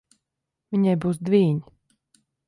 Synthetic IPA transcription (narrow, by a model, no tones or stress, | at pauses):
vʲiɲajbuːsd̪vʲiːɲ